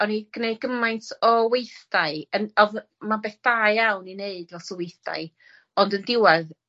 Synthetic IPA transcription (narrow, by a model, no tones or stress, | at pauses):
ɔniɡ̥neɨd̚ɡəmajntʰɔwejθd̥aɨənɔð | mabeːθd̥aːjjawnineɨdvɛsɔwejθd̥a̰ɨ | ɔndəndɪwɛð